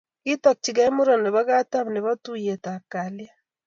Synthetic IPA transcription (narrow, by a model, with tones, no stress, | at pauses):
kitak̚t͡ʃiɡa˦e˦mu˦ɾo˨ne˨βa˦ɣa˦ta˦mne˨βa˦tujetakalja˦